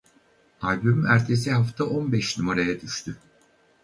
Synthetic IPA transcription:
alʲbymyæɾt̪ʰe̞siɦaft̪ʰaʔo̞nbɛʃnymoɾejɛd̪yʃt̪ʰy

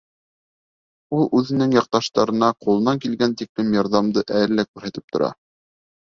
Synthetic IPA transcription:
ulˠʉðɘ̆nɘŋjɑq̚t̪ɑʃt̪ɑɾɤ̆nɑqulˠɤ̆nɑŋkilɡænt̪iklɘmjɑɾðɑmd̪ɤʔælːækʉɾhæt̪ɘ̥p̚t̪ŏɾɑ̰

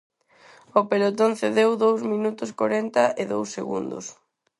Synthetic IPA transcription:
opelot̪on̟θeðewðowsmĩnut̪ʊskaɾɛnt̪ɐʔɪðowsːeɣṵnd̪ʊ̰s

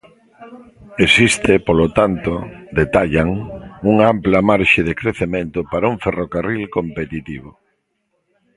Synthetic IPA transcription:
esist̪ɪpolot̪ant̪od̪et̪aʎaŋuŋamplamaɾʃɪðekɾeθemẽnt̪ʊpaɾauŋferokarilkompet̪it̪iβo

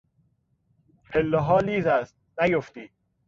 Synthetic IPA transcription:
hʰelːoɦɒːliːzæst̪̚næjoft̪i̥ː

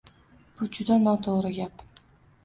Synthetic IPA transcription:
b̥ʊd͡ʒʊd̪anɒt̪ʰoʁɾɪɡʲap̚

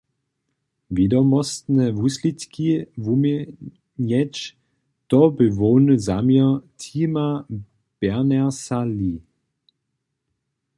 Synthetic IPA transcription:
vidɔmɔstnɛvuslitkʰivum | ɲɛt͡ʃ | tɔbəvoːnzamjətʰima | b̥ɛʁnɛɐsali

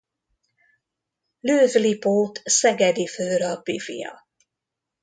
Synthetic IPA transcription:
løːvlipoːt̪sɛɡɛd̪iføːɾɒbːifḭjɒ̰

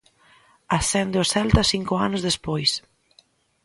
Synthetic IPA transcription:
asɛnd̪eʊsɛlt̪ɐsiŋkʊanʊzðespojs

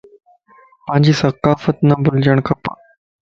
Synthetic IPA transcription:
pãɲd͡ʑiːsɐkaːfət̪nabuld͡ʑəɳkʰəpa̰

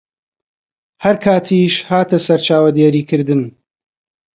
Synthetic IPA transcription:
hɐɾkʰaːt̪ʰiːʃhaːt̪ɐsɐɾt͡ʃʰaːwɐd̪eːɾiːkʰɨɾd̪ɨn

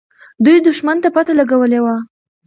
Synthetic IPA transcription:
d̪ujd̪ʊʃmant̪apat̪alaɡawəlewa

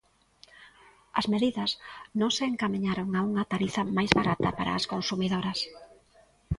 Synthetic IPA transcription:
ɐzmeðiðɐsnõŋseːŋkamiɲaɾoŋauŋɐt̪aɾiθɐmajzβaɾat̪ɐpaɾa̰ːskonsumiðoɾɐs

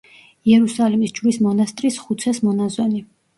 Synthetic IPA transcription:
iɛɾusalimisd͡ʒlismɔnast̪ʼɾisχut̪sʰɛsmɔnazɔni

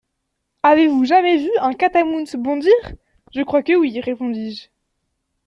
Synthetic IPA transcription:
avevuʒamɛvyɛ̃kat̪amunsəbɔ̃d̪iːʁ | ʒəkχwakəwiʁepɔ̃d̪iʒ

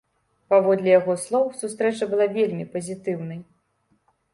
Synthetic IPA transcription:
pavɔd̪lʲɛjaɣɔslˠɔwsust̪ɾɛt͡ʂɐbɨlˠavʲelʲmʲipɐzʲit̪ɨwnɐj

